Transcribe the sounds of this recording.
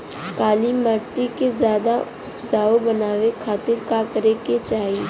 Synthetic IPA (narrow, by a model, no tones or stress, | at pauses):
kaːliməʈ̪ːikezjaːd̪aʊpzaːobɐnaːʋekʰaːt̪ɪɾkakəɾeket͡ʃaːɦi